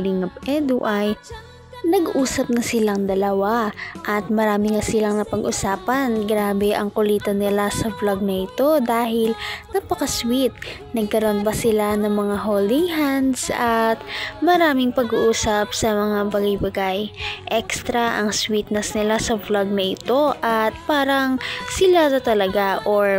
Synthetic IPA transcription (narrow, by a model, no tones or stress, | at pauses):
lɪŋɐpʔɛd̪uʔaj | nɐɡʔuːsɐp̚nɐsɪlaŋd̪ɐlɐwaʔɐt̪̚mɐɾaːmɪŋɐsɪlaŋnɐpɐɡʔʊsaːpɐnɡɾaːbɛʔɐŋkʊliːt̪ɐnɪlasɐflaɡ̚nɐʔɪt̪o̞d̪aːhɪlnɐpɐkɐswit̪̚ | nɐɡ̚kɐɾonbɐsɪlanɐŋmɐŋaɦoːld̪ɪŋhand̪sɐt̪̚mɐɾaːmɪŋpɐɡuʔuːsɐp̚sɐmɐŋabɐɡajbɐɡajʔɛkst̪ɾɐʔɐŋswit̪̚nɐsnɪlasɐflaɡ̚nɐʔɪt̪o̞ʔɐt̪̚paːɾɐŋsɪlasɐt̪ɐlɐɡaʔoɹ